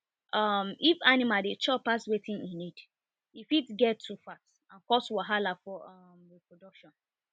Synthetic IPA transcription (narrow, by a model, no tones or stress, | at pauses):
ʔɔmifanimadet͡ʃɔpaswetʰĩninid | ifitɡɛtːufat | ãnkɔswaɦalafɔ | mepɹodɔkʃɔ̃n